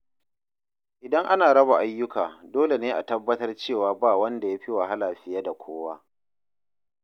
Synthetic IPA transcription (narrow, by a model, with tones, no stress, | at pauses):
ʔɪ˨dɐ˦ŋʔa˦naː˨ɽɐ˦ba˨ʔa˦jːʊ˦kaː˨doː˦le˨neː˦ʔa˨tɐ˦bːɐ˦tɐ˦rt͡ʃeː˦˨waː˨baː˦˨wɐ˦nda˨jaː˦ɸɪ˦wa˨ɦa˦laː˨ɸɪ˨jaː˦da˨kʷʰoː˦wa˦ʔ